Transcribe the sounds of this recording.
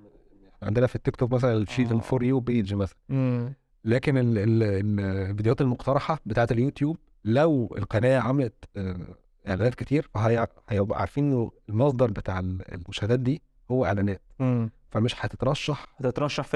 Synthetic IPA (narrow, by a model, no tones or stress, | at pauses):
jaħniʕand̪enæfit̪ːekt̪okmæs̬ælænʃiːzenfoɾjuwbeːd̪d͡ʒmæsælæn | læːkeneel | lvid̪ejwæːt̪elmoqt̪ɑɾˤɑħɑbet̪aːʕet̪eljut̪juːb̚ | læwḛlqɑnæːjæʕamælæt̪ː | ʔḛʕlæːnæːt̪̚ket̪iːɾfæɦæjhæjbæʔʕa̰ɾˤfiːnʔennːoelmɑsˤd̪ˤɑɾˤbet̪aːʕelḛlmoʃhælæːt̪̚d̪iː | howːæʔḛʕlæːnæːt̪ | fæmeʃħæt̪et̪ɾˤɑʃːɑħt̪et̪ɾˤɑʃːɑħf